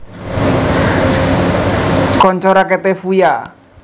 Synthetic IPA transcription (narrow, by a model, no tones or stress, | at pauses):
kɔɲt͡ʃɔɾakɛt̪ɛfuja